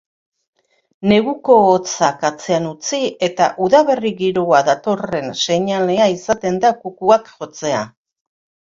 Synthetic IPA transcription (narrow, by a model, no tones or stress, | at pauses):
ne̞ɣuko̞ːt͡sakat͡se̞anut͡sie̞t̪aʔuðaβe̞riɣiɾoaðat̪o̞re̞nse̞ɲale̞aisat̪e̞nd̪akukuakʝo̞t͡se̞a